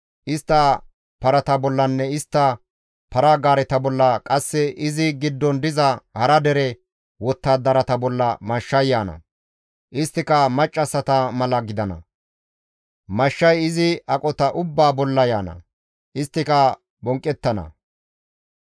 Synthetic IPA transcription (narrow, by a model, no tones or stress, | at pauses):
ʔɪst̪ːɐ | pɐɾɐt̪ɐbɔlːɐnːɛɪst̪ːɐ | pɐɾaːɡaːɾɛt̪ɐbɔlːɐkʼɐsːɛʔɪzɪɡɪd̪ːɔnd̪ɪzɐhɐɾɐd̪ɛɾɛ | wɔt̪ːaːd̪ːɐɾɐt̪ɐbɔlːɐmɐʃːɐjːaːnɐ̰ | ʔɪst̪ːɪkɐmɐt͡ʃʼːɐsɐt̪ɐmɐlɐɡɪd̪ɐnɐ̰ | mɐʃːɐjɪzɪɐkʼɔt̪ɐʔʊbːaːbɔlːɐjaːnɐ̰ | ʔɪst̪ːɪkɐ | bɔŋkʼːɛt̪ːɐnɐ̰